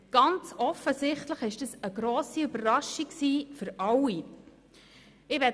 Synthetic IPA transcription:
ɡ̥ɑnt͡sɔfəsɪχtləχɪʃd̥əsəɡɾoːsiybərːɑʃiksiːfəɾɑwːi | ɪʋɛ

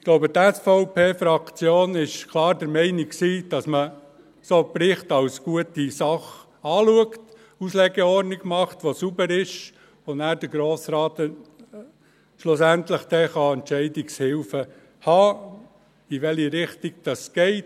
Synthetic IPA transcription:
ɪɡ̥loʊbət̪ɛsfoʊpeːfɾɑkt͡sjoːnɪʃkʰlɑːɾdəɾmɛɪnikksiːd̥ɑsmə | soːprɪχtɑwsɡ̥uətisɑχ | ɑːluəkt | uslɛɡɛɔɾniɡmɑχtʋosubəɾɪʃ | ʊnæːɾd̥əɾɡɾoːsɾɑːt̪ə | ʃlʊsæntləχd̥̪ɛχɑɛntt͡ʃɛɪdikshɪlfə | hɑː | iʋɛlhiɾɪχtiɡ̥̚d̥ɑsɡ̥ɛɪt

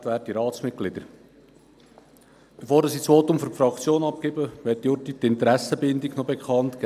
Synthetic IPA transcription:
tvæːɾədiɾɑːt͡smɪt̚ɡ̥lɪd̪əɾ | b̥efoːɾdɑsiːt͡sʋoːtʊmfɔɾfrɑkt͡sjoːnɑp̚kɪbəʋɛːɾt̚dijʊtit̪ɪnt̪əɾæsəbɪnd̪iɡnobɛkχɑnt̪k

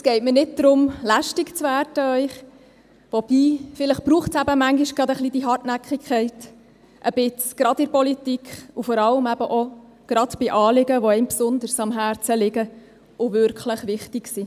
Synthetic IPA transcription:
ɛsɡ̥ɛɪtmənɪt̚d̥̪ɾʊmlæʃtikt͡sʋæːrd̥əœʏχ | ʋɔb̥iːfɪləχb̥ɾuːχtsæbəmæŋɡiʃɡ̥ɾɑd̪əχlid̪iɦɑrtnækχikʰχɛɪt | ʔəb̥ɪt͡sɡ̥ɾɑdɪɾpɔlitikχufɔɾɑləmæb̥əʔɔ | ɡ̥ɾɑd̥b̥ɪʔɑːlɪɡəʋɔɛɪmpsʊnd̪əɾsɑmɦæːɾt͡səlɪɡə | ʊʋʏɾkʰχləχʋɪχtiksi

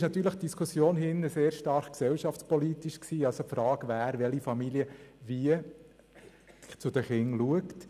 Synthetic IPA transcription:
ʃnɑt̪yːɾləχt̚d̥iskʰusjoːnɦɪnːəseːɾʃtɑɾχksɛwʃɑft͡spɔlit̪iʃksiːɑlsofɾɑːɡ̥ʋæːɾʋɛlifɑmiljəviə | t͡sʊd̥̪əχɪŋluəkt

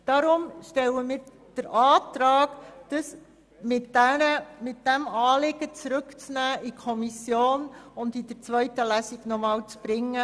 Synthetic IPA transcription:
d̥ɑɾʊmʃtɛləmiːɾ | d̥əɾʔɑːtɾɑːkd̥əs | mɪtæəmɪt̚d̥ɛmɑːlɪɡ̥ət͡sɾʏkt͡snæːʔikʰɔmisjoːnʊndid̥əɾt͡sʋœʏtəlæsɪɡnɔmɑːlt͡sb̥ɾɪŋːə

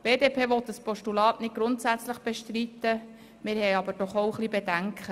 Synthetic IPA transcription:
b̥eːdeːpʰeːʋɔt̪ːəspʰɔʃtulɑːtnɪt̚ɡ̥ɾʊntsæt͡sləχb̥eʃtɾit̪ːə | mɪɾhɛjɑbəɾd̥ɔχowχlibedæŋkʰχə

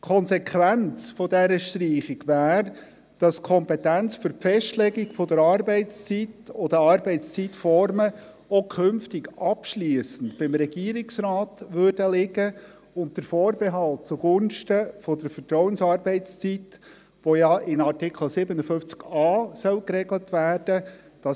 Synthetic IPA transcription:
kʰɔnsɛkʰʋænt͡sfɔdɛɾəʃtɾiːχɪɡ̥ʋæːɾ | d̥ɑskʰɔmpɛtænt͡sfʏɾpfɛʃtlɛɡiɡfɔd̪əɾɑɾbɛɪtst͡sitɔd̥̪əɑɾbɛɪtst͡sitfɔɾmə | okʰʏnftɪɡɑpʃliəsən̩tb̥ɪmɾɛɡiːəɾɪksɾɑːtʋʏrd̥əlɪɡə | ʊnt̚d̥əɾfɔːɾbɛɦɑlt̚t͡suɡ̥ʊnʃtəfɔd̪əɾfəɾtɾɔʊwənsɑːɾbɛɪt͡st͡sit | ʋojɑɪnɑtɪkʰl̩sɪbənəfʏft͡skɑːsœlkɾɛɡlətʋæːɾd̥əd̥ɑ

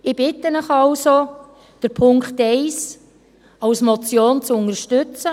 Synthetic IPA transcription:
ɪb̥ɪtːənəχɑlso | d̥əɾpʰʊŋkχtɛɪs | ɑwsmɔt͡sjoːnt͡sʊnəɾʃtʏt͡sə

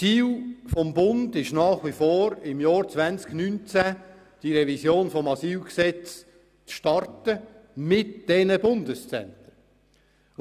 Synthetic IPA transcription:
iːlfɔmbʊndɪʃnɑːχʋifoːɾɪmjɑːɾt͡svænt͡sknynt͡sæ | d̥iɾɛvisjoːnfɔmɑsiːlksɛt͡s | t͡sʃtɑrtəmɪtd̥ɛnəbʊndəst͡sɛ̰nt̪ə

